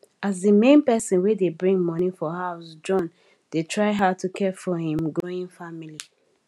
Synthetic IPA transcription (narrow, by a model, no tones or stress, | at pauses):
azdəmẽnpɛsə̃nwedebɹĩŋmɔnifɔhaʊsd͡ʒɔ̃n | d̥etʰɹaɪɦatʰukʰɛfɔhĩmɡɹoɪ̃ŋfamili